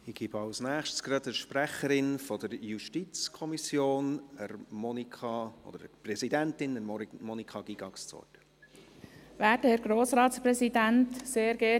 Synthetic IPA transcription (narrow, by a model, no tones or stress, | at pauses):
iɡibɑlsnæːχʃtsɡ̥rɑdəʃpræχəɾɪnfɔd̪əɾjuʃtit͡skʰɔmisjoːnəɾmɔnikɑɔ̰d̥̪əɾəprɛzidæntɪnəmɔnikχɑɡ̥iɡ̥ɑkst͡sɔ̰tə | ʋæːdəhɛɾɡ̥ɾoːsɾɑːt̪spɾɛsidæntseːɾɡɛ